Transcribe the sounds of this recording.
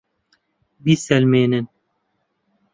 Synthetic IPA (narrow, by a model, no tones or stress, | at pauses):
bisɛlmeːnɨn